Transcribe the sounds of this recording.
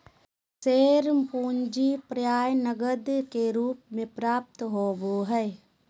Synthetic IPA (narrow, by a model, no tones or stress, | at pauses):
seːɾmpuːnd͡ʒipɾjaːjnəɡəd̪keɾuːpmẽpɾaːp̚t̪ɦoːboɦɛː